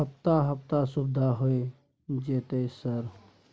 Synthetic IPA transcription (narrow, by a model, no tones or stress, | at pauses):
ɦəp̚t̪aɦəp̚t̪asubd̪ʱaɦoe | d͡ʒeːt̪esəɾ